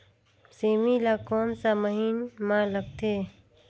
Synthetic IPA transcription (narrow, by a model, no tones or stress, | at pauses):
seːmilakoːmsaməɦiːnmãləɡ̚t̪ʰeː